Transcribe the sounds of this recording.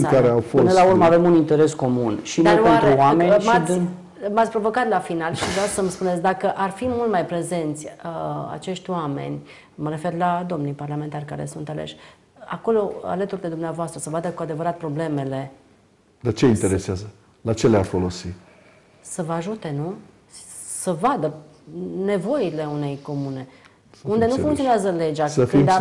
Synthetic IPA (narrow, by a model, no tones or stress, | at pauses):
kaɾeawfoɨnəlauɾmave̞munint̪e̞ɾe̞sko̞munʃinaoent̪ɾuwame̞nʲmat̪s | mat̪sʲpɾo̞vo̞kat̪lafinalʃivɾawsəmspunesʲd̪akəʔarfimult̪majpɾe̞ze̞nt̪sʲəa̰t͡ʃe̞ʃt̪ʲwame̞̰nʲ | məɾe̞ferlad̪o̞mnijparlame̞nt̪arʲkaɾe̞̰sunt̪alḛʃʲ | a̰ko̞lo̞a̰lət̪urʲd̪ed̪umneavoast̪ɾəsəvad̪əkuad̪e̞vəɾat̪̚pɾo̞ble̞me̞le̞ | d̪at͡ʃe̞int̪eɾeseazə | lat͡ʃelearfo̞lo̞si | səvəaʒut̪e̞nu | səvad̪ə | ne̞vo̞ile̞une̞jko̞mune̞ | und̪e̞nufuŋkt̪ioneazəle̞d͡ʒaksəid̪